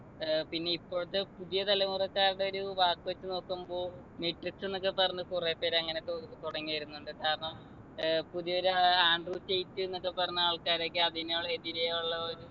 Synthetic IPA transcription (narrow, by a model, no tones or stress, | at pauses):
pinːe̞ipːo̞ːɭt̪ːɨpuðijɐt̪ɐlɐmurɐkːaːɾuɽe̞o̞ɾuʋaːkːuʋɐt͡ɕːɨno̞ːkːumbo̞ː | meʈrikse̞nːo̞k̬ːepɐrɐɲːukurepːe̞ːɾɐŋːɐnet̪t̪uɽɐŋːiɐjɾunːuɳɖɨkaːɾɐɳɐm | puðijo̞ɾuaːɳɖruːt͡ɕe̞jt̪ːuenːo̞kːe̞pɐrɐɲːuaːɭkaːɾo̞ːkːeɐðinoːɭːeðiɾɐjaːuɭːɐoɾu